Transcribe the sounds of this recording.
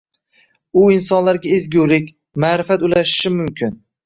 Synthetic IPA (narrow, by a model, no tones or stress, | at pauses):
ʊɪnsɒnlaɾɡʲaezɡʲuwlɪkʲ | maɾɪfat̪ʊlaʃɪ̥ʃɪmʊmkʲʰɪn